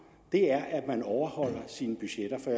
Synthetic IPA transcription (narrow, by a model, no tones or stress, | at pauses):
d̥e̝æɐʔæd̥mænɒʊɐhɒ̽l̰ɐsiːnəb̥yɕeɾ̥ɐfɒ